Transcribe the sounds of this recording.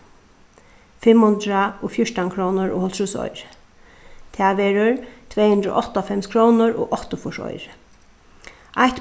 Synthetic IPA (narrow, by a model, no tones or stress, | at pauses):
fɪmhʊnd̪ɾaoːfjʊʂʈankʰɾɔwnʊɹo̰ːhɔlt̪ʰɾuːsɔ̰jɾ | t̪ʰaːʋɛːɾʊɹt̪ʰvɛːhʉnd̪ɾʊ̰ʔɔht̪afɛmskʰɾoːnʊɹo̰ːɣʔɔht̪ʊfʊʂɔ̰jɾ | ʔajht̪